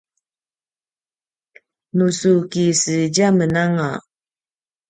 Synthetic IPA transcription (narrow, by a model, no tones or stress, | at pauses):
nusukisɨd͡ʒamənaŋa